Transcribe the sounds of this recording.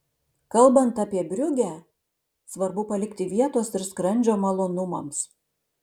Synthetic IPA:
kɐlˠbɐnt̪ɑpʲiɛbʲɾʲʊɡʲæ | sʋɐɾbʊpɐlʲɪkt̪ʲɪʋʲiɛt̪oːsɪɾskɾɐnʲd͡ʒʲoːmɐlˠoːnʊmɐ̰ms

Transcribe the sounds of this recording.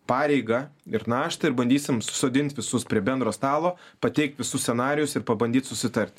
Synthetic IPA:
pɑːɾʲɛɪɡɐɪɾnɑːʃt̪ɐɪɾbɐnʲd̪ʲiːsʲɪmsʊ̥soːd̪ʲɪnʲt̪ʲʋʲɪsʊspʲɾʲiɛbʲɛnd̪ɾoːst̪ɑːlˠoːpɐt̪ʲɛɪk̚t̪ʋʲɪsʊsʲsʲɛnɑːɾʲɪjʊsɪɾpɐbɐnʲd̪ʲiːt̪sʊsʲɪt̪ɐɾʲt̪ʲ

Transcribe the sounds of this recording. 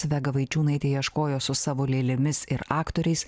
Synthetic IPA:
ʋʲɛɡɐʋɐɪt͡ʃʲuːnɐɪt̪ʲeːjiɛʃkoːjoːsʊsɑːʋoːlʲeːlʲɪmʲɪsɪɾɑːkt̪oːɾʲɛɪs

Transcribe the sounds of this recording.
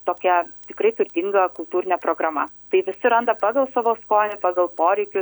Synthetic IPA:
t̪oːkʲɛt̪ʲɪkɾɐɪt̪ʊɾʲd̪ʲiŋɡɐkʊlˠt̪uːɾʲɪnʲɛpɾoːɡɾɐmɐt̪ɐɪʋʲɪsʲɪɾɐnd̪ɐpɑːɡɐlˠsɑʋoːskoːnʲɪpɑːɡɐlˠpoːɾʲɛɪkʲʊ

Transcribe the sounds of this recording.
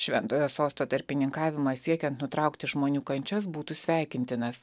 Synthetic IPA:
ʃʲʋʲɛnt̪oːjoːsoːst̪oːt̪ɐɾʲpʲɪnʲɪŋkɑːʋʲɪmɑsʲiɛkʲɛnt̪nʊt̪ɾɑˑʊkt̪ʲɪʒmoːnʲuːkɐnʲt͡ʃʲɛs̬buːt̪uːsʲʋʲæˑɪkʲɪnʲt̪ʲɪnɐs

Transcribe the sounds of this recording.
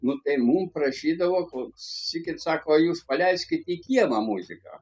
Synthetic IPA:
nʊt̪ɐɪmuːmpɾɐʃʲiːd̪ɐʋoːkosʲɪkʲɪt̪sɑːkoːjuːspɐlʲæɪsʲkʲɪt̪ʲikʲiɛmɐmuːzʲɪkɐ̰

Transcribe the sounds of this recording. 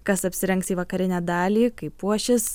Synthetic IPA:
kɐsɐpʲsʲɪɾʲɛŋksiːʋɐkɐɾʲɪnʲæːd̪ɑːlʲiːkɐɪpuɔʃʲɪs

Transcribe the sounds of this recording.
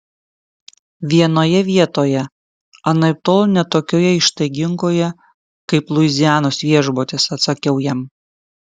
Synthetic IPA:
ʋʲiɛnoːjɛʋʲiɛt̪oːjɛ | ɐnɐɪp̚t̪oːlˠnʲɛt̪oːkʲoːjɛɪʃt̪ɐɪɡʲɪŋkoːjɛ | kɐɪplˠʊɪzʲɪjæːnosʋʲiɛʒboːt̪ʲɪsɐt̪sɐkʲɛʊjɛm

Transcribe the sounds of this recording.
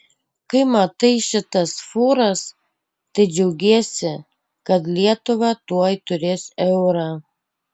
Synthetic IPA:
kɐɪmɐt̪ɐɪʃʲɪt̪ɐsfuːɾɐs | t̪ɐɪd͡ʒʲɛʊɡʲeɛsʲɪ | kɐt̪lʲiɛt̪ʊʋɑt̪uɔjt̪ʊɾʲeːsɛʊɾɑː

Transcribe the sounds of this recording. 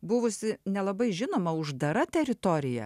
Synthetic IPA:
bʊʋʊsʲɪnʲɛlˠɐbɐɪʒʲɪnoːmɐʊʒd̪ɐɾɐt̪ʲɛɾʲɪt̪oːɾʲɪjɛ̰

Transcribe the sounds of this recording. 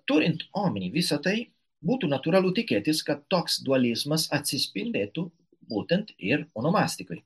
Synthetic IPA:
t̪uɾint̪ɔminivisat̪ej | but̪unat̪uɾalut̪iket̪iskat̪ɔksd̪ualizmasasispind̪et̪u | but̪ent̪iɾunomast̪ikoj

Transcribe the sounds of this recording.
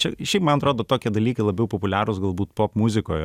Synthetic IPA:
t͡ʃʲɛʃʲɛɪpmɐnɐt̪ɾoːd̪oːt̪oːkʲiɛd̪ɐlʲiːkɐɪlˠɐbʲɛʊpopʊlʲæːɾʊsɡɐlˠbuːt̪poːpmʊzʲɪkoːj

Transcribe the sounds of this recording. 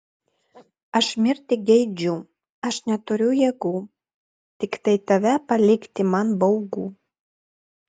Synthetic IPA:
ɑʃmʲert̪iɡejd͡ʑu | ɑʃnʲɑt̪oɾʲujeɡu | t̪ikt̪ejt̪æβæpalʲikt̪imɑnbowɡu

